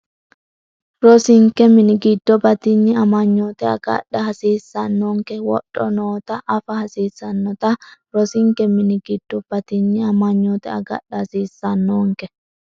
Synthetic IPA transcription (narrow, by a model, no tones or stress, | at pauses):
ɾɔsɪŋkːɛmɪnɪɡɪd̪ːɔbɐt̪ɪɲːɪɐmɐɲːoːt̪ɛɐ̰ɡɐ̰ɗɐhɐsiːsːɐnːoŋkɛwɔ̰ɗːɔ̰noːt̪ɐʔɐfɐhɐsiːsːɐnːɔt̪ɐɾɔsɪŋkːɛmɪnɪɡɪd̪̥ːɔb̥ɐt̪ɪɲːɪɐmɐɲːoːt̪ɛ̰ɐ̰ɡɐ̰ɗːɐhɐsiːsːɐnːoːŋkɛ